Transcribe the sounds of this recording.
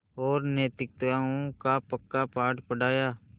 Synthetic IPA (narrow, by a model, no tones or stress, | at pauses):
oːɾneːt̪ɪk̚t̪aːõkaːpəkːaːpaːʈpəɖaːjaː